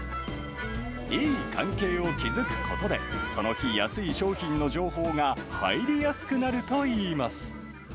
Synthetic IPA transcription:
iːkʰã̰ŋke̞ːo̞kʲizɨkɯ̟̥kʰo̞t̪o̞d̪e̞so̞no̞çijasɨiɕo̞ːçĩnːo̞ʑo̞ːho̞ːŋaha̰iɾʲijasɨ̥kɯ̟naɾɯ̟t̪o̞iːmasɨ̥

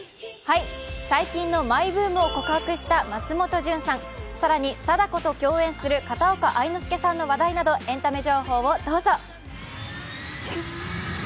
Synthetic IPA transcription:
haisaikʲĩnːo̞maibɯ̟ːmɯ̟oko̞kɯ̟hakɯ̟ɕi̥t̪amat͡sɨmo̞t̪o̞ʑɨ̃ɰ̃sãŋ̃saɾaɲ̟isad̪ako̞t̪o̞kʲo̞ːẽ̞ɰ̃sɨɾɯ̟kat̪aokaʔainɯsɨ̥ke̞sãnːo̞βad̪ainad̪o̞ʔẽ̞nt̪ame̞ʑo̞ːho̞ːβo̞d̪o̞ːzo̞

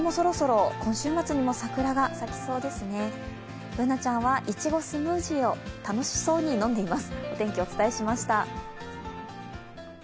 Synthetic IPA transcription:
mo̞soɾo̞so̞ɾo̞kõ̞ɰ̃ɕɨːmat͡sɨɲ̟imo̞sakɯ̟ɾaɡasakʲi̥so̞ːd̪e̞sɨne̞ | bɯ̟nat͡ɕãɰ̃βaʔit͡ɕiɡo̞sɨmɯ̟ːʑio̞t̪ano̞ɕi̥so̞ːɲ̟inõ̞nd̪e̞imasɨ̥o̞t̪ẽ̞ŋkʲiot͡sɨ̥t̪aeɕimaɕi̥t̪a

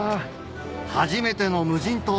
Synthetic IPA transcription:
haʑime̞t̪e̞no̞mɯ̟ʑĩnt̪o

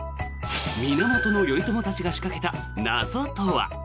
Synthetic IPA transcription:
mʲinomo̞t̪o̞no̞jo̞it̪o̞mo̞t̪at͡ɕiɡaɕi̥kake̞t̪a | nazo̞t̪oβa̰

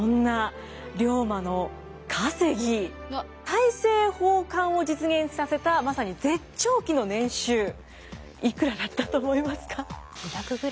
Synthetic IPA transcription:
õnːa | ɾʲo̞ːmano̞ | kʰase̞ɡʲi | t̪aise̞ːhoːkãɰ̃o̞d͡ʑit͡sɨɡẽ̞ɰ̃ssase̞t̪amasaɲ̟id͡ze̞t͡ɕo̞ːkʲino̞nẽ̞ɰ̃ɕɨː | ikɯ̟ɾad̪at̪ːat̪o̞ːmo̞imasɨ̥kʰaiçakɯ̟ɡɯ̟ɾ

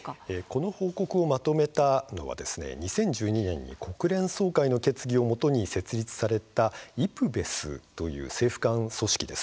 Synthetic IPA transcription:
eko̞no̞ho̞ːko̞kɯ̟o̞mat̪o̞me̞t̪ano̞̰βa̰d̪e̞sɨne̞̰ɲ̟isẽ̞ɲ̟d͡ʑɨːɲ̟inẽ̞̰ɲ̟ːḭkʰo̞kɯ̟ɾẽ̞ɰ̃so̞ːkaino̞ke̞t͡sɨɡʲio̞mo̞t̪o̞ɲ̟ise̞t͡sɨɾʲit͡sɨ̥saɾe̞t̪aipɯ̟be̞sɨ̰t̪o̞jɯ̟̰ːse̞ːɸɯ̥kãɰ̃so̞ɕi̥kʲid̪e̞s

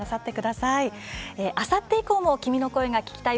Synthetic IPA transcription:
asat̪ːe̞kɯ̟d̪asaieʔasat̪ːe̞ikoːmo̞kʲimʲino̞ko̞eɡakʲi̥kʲi̥t̪a

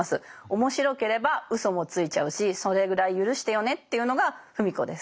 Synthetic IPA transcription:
asɨo̞mo̞ɕiɾo̞ke̞ɾe̞baɯ̟so̞mo̞t͡sɨit͡ɕaɯ̟ɕiso̞ɾe̞ɡɯ̟ɾaijɯ̟ɾɯ̟ɕi̥t̪e̞jo̞ne̞t̪ːe̞jɯ̟no̞ɡaɸɯ̟mʲiko̞d̪e̞s

